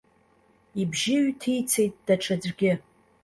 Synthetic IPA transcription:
ibʒɪɥtʰijt͡sʰe̞jtʼd̥aʈ͡ʂʰad͡zʷɡʲɪ

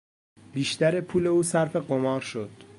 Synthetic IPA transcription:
b̥iːʃt̪æɾepʰuːle̞uːsæɾfe̞ɢomɒːɾʃo̞d̪̥

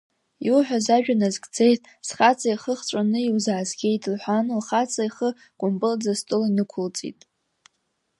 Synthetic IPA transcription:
iuħʷᶣazaʒᶣanazɡʼd͡zejtʼ | sχat͡sʼaiχəχt͡ʃʷʼanɨiwzaːzɡʲe̞jtʼlħʷanlχat͡sʼaiχə | kʷʼʊmpʼɨld͡zastʼʊlanɨkʷʰʊlt͡sʼḭtʼ

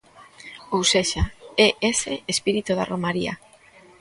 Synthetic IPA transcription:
owseʃaeʔeseespiɾit̪uða̰romaɾḭa̰

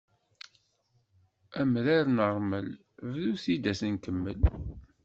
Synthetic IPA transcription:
æmɾaɾnəɾˤməl | vðuθid̪æsənkəmːə̰l

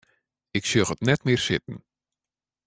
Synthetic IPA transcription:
ɪksjøxətnɛtmɪːrsɪt̚n̩

